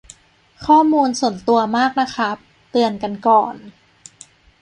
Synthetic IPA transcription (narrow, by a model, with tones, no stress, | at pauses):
kʰɔː˥˩muː˧nsu˨˩ə˦nt̪u˧ɐmaː˥˩k̚na˦˥kʰa˦˥ | t̪ɯ˧ənka˧nkɔː˨˩n